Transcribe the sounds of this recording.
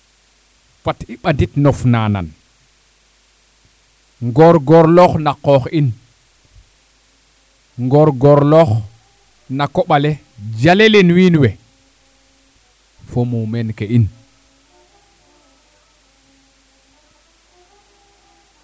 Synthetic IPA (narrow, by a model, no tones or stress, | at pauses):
fatiɓanditnɔfnana̰n | ŋɡɔɾɡɔɾlɔxnaqɔxin | ŋɡɔɾɡɔɾlɔx | nakɔɓale | d͡ʒalelenwinwe | fomumenkeʔin